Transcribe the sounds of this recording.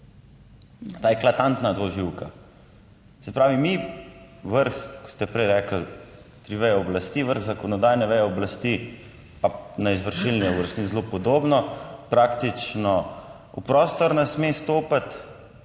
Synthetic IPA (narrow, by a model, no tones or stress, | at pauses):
t̪aːjɛklat̪ant̪nad̪ɔʒiwka | sɛpɾaːʋimi | ʋəɾxkɔ̥st̪ɛpɾɛjɾɛːkl̩ | t̪ɾiʋɛjɔɔblast̪iːʋəɾɣzakɔnɔd̪aːjnɛʋɛjɔɔblast̪i | panaizʋəɾʃilniɛuɾɛst̪nizlopɔd̪oːbnɔpɾaːkt̪it͡ʃnɔ | upɾɔːst̪ɔɾnɛsmest̪oːpat̪